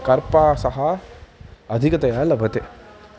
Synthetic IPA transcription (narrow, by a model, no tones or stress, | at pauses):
kɐɾpaːsɐɦɐ | ɐd̪ʱikɐt̪ɐjaːlɐʋʱɐt̪e